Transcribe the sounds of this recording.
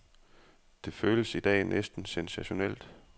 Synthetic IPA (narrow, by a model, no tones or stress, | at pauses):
d̥e̝føːləsid̥ɛ̰ːnʔesd̥n̩sensæɕo̝nel̰d̥